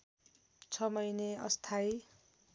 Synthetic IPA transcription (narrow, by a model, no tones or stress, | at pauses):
t͡sʰʌmʌjneʌ̰st̪ʰaj